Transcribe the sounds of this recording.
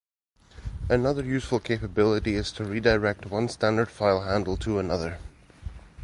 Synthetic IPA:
ʔənʌðə˞jʉsfəlˠkʰepəbɪlˠəʔiɪz̥tʰəɹidəɹɛk̚t̚ʰwʌ̃nstãndə˞d̥faɪlˠɦãndˡl̩ˠtʰəənʌðə˞

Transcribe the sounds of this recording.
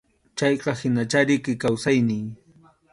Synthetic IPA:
t͡ʃɑjqɑhɪnat͡ʃaɾɪkɪkawsajnɪŋ

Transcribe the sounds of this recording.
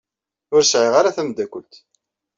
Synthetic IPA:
ʊɾsʕiʁaɾaθæmd̪ækʷːʊlt̪

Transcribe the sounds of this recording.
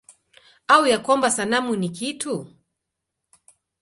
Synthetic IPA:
aujakwambasanamunikitʰu

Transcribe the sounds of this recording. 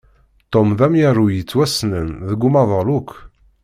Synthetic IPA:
t̪ˤːomðæmjəɾˤujət͡sːwæsnənðəɡːumɑðˤɑlukʷʰː

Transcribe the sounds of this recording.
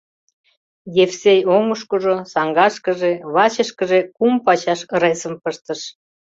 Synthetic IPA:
jefsejomuʃkuʒosɑŋɡɑʃkə̆ʒeβɑt͡ɕəʃkəʒekumpɑt͡ɕɑʃəɾesə̆mpəʃt̪əʃ

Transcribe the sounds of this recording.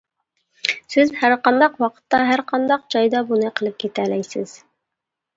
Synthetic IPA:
sɪzhæɾqɑnd̪ɑqwɑqʰə̥t̪ːɑɦæɾqʰɑnd̪ɑqd͡ʒɑjd̪ɑbunɨqʰəlˠɨp̚kʲʰet̪ʰælɛjsɪ̰z̥

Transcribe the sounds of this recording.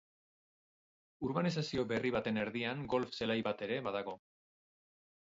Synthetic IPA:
uɾβanisasio̞βe̞riβat̪e̞ne̞ɾðiaŋɡo̞lfse̞lajβat̪e̞ɾe̞βaðaɣ̞o̞

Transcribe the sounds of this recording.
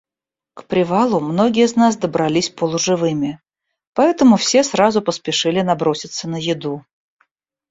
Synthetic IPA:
kpɾʲɪvalˠʊmno̞ɡʲɪjəznas̬d̪əbɾɐlʲisʲpəlˠʊʐɨvɨmʲɪ | pɐɛt̪əmʊfsʲe̞sɾazʊpəspʲɪʂɨlʲɪnɐbɾo̞sʲɪt̪sənəjɪd̪u

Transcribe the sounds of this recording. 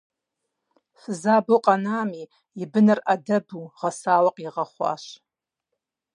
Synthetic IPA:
szaboqʼanaːmi | ibɨnɨrʔadabuʁasalaqʼiʁaχʷa̰ʃ

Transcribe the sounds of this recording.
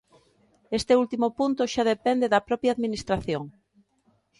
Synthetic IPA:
est̪eult̪imopunt̪oʃaðepend̪eðɐpɾɔpjaðminist̪ɾaθjoŋ

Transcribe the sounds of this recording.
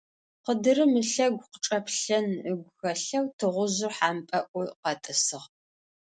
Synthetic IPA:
qədɨɾɨmɨɬɐɡʷqʈ͡ʂʼɐpɬɐnəɡʷʊxɐɬɐwtʰɨʁʷʊʑʊrħaːmpʼɐʔʷʊqɐtʼɨsɨʁ

